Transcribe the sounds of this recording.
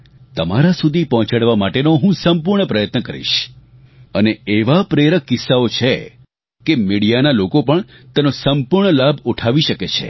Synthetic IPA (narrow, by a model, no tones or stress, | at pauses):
t̪əma̰ɾasud̪ʱipɔɦɔ̃t͡ʃaɽʋamaʈenoɦũsəmpuɾɳəpɾəjət̪nəkəɾḭʃ | əneeʋapɾeɾəkːɪsːaot͡ʃʰe | kemiɽijanalokopəɳ | t̪enosəmpuɾɳəlabʱuʈʰaʋiʃəket͡ʃʰḛ